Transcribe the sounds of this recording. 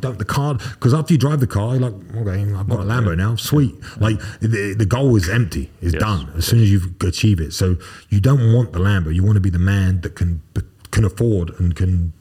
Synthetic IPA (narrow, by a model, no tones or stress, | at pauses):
dõʊ̃nðəkʰɑɹkʰʌzæftə˞jɨdɹaɪvðɨkʰɑɹjəlaɪk̚oʊkʰeɪaɪvɡɑɾəlæ̃mboʊnaʊmswit̚laɪk̚ðɨɡoʊlˠɨzɛ̃mp̚tʰḭɪzdʌ̃nɨz̥sʉ̃nɨzjɨvɨt͡ʃʰivɪtsoʊjɨdõʊ̃nʔ̚wɑ̃nðəlæ̃mboʊjɨwɑ̃nəbiðɨmæ̃nðɨt̚kʰɨ̃nb̥kʰɨ̃nəfɔɹdə̃nkʰɨ̃n